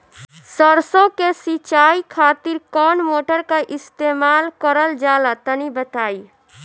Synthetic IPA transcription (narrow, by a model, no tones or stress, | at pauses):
səɾsõkesit͡ʃaːikʰaːt̪iɾkɔːnmoːʈəɾkaʔɪst̪eːmaːlkəɾəld͡ʒaːlat̪ənibət̪aːi